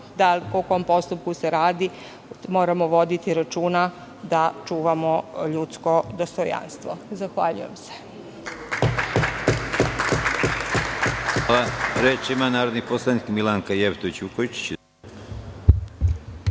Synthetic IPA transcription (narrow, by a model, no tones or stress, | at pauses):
d̪alkoko̞ompo̞st̪up̚kuseɾaːd̪i | mo̞ːɾamoʋo̞d̪it̪iɾat͡ʃuːna | d̪at͡ʃuːʋamoʎut̪sko̞d̪ost̪oja̰nst̪ʋozaxʋaʎṵje̞̰mse̥ | aaɾeːt͡ʃimanaːɾod̪niposlˠanikmilaŋkajeʋt̪oit͡ɕukoʋit͡ʃi̥t͡ɕ